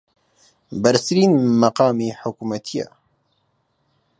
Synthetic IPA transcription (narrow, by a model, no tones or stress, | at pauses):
bɛɾsɨɾiːnmɐqɑːmeːħʊkumɐt̪ʰija̰